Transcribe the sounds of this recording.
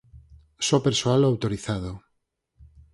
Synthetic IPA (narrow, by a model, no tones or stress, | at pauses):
sɔpeɾsoaloawt̪oɾiθað̞o